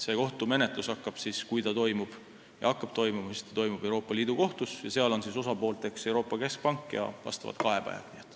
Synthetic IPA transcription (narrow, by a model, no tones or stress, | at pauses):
se̞ːko̞ht̪umenet̪lusɑkːɑb̥siskujt̪ɑt̪o̞jmub̥ | jɑ̰ɑkːˑɑb̥t̪o̞jmumɑsi̥st̪ɑt̪o̞jmub̥e̞wɾo̞ːpːˑɑliːd̪uko̞ht̪usjɑseɑlo̞nsiso̞sɑpo̞ːlt̪e̞kse̞wɾo̞ːpːˑɑke̞sk̚pɑŋkˑːjɑ̰vɑ̰st̪ɑvɑ̰t̪kɑɦe̞pæ̰jv̥niet̪ːˑ